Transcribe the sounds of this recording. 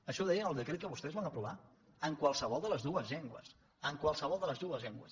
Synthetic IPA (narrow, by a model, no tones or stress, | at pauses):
əʃɔðɛjənəlˠd̪əkɾet̪̚kəβust̪ɛzβanəpɾuβ̞a | əŋkwalˠsəβɔlˠd̪ələzðuəzʎeŋɡwə̰s | əŋkwalˠsəβɔlˠd̪ələzðuəzʎɛŋɡwə̰s